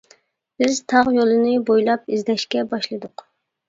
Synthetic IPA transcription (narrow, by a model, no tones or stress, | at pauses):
b̥ɪzt̪ʰɑʁjolˠɨnɨbojlˠɑpizd̪ɛʃkʲɛbɑʃlˠɨd̪ʊq